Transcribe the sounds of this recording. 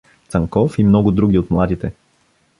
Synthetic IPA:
t̪sɐŋkɔfimnɔɡʊd̪ɾuɡʲiot̪mlˠad̪it̪ɛ

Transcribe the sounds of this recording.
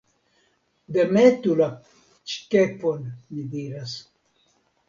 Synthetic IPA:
d̪emet̪ula | t͡ʃkeponmid̪iɾas

